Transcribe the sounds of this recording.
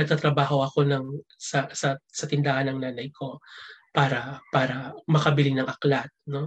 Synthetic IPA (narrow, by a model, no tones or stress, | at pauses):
nɐɡ̚t̪at̪ɾɐbaːɦo̞ʔɐko̞nɐŋsɐsɐsɐt̪ɪnd̪aːhɐnːɐŋnaːnɐjkʰo̞paːɾɐpaːɾɐmɐkɐbɪlɪŋnɐŋʔɐklat̪̚no̞